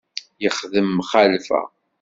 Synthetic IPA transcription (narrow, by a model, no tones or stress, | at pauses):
jəχðəmːχælfæ̰